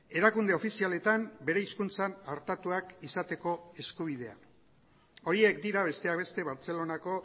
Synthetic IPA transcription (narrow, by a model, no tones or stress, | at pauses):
e̞ɾakund̪eo̞fisiale̞t̪ambe̞ɾe̞iskunt͡sanaɾt̪at̪uakisat̪e̞ko̞e̞skuβ̞ið̞e̞a̰ | o̞ɾie̞kd̪iɾaβe̞st̪e̞aβe̞st̪e̞βaɾt͡se̞lo̞nako̞